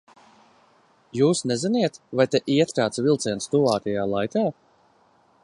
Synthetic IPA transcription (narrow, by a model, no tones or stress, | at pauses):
juːsnɛziniɛt̪vajt̪eʔiɛt̪ɾaːt̪svilˠt̪sɛnst̪uvaːt̪ɛjaːlˠajkaː